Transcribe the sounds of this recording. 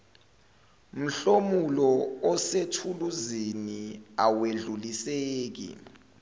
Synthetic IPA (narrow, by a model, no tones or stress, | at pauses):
m̩ɬomulɔɔsetʰuluziniaweɮuliseːk̬ḭ